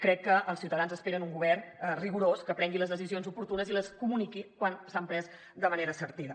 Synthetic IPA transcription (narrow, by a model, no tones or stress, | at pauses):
kɾɛkːəʔəlˠsiuwt̪əðanzəspeɾənuŋɡuβɛrnriɣuɾoskəpɾɛŋɡiləzðəsizionzupuɾt̪unəziləskumunikikwansampɾɛz | d̪əməneɾəsəɾt̪iðə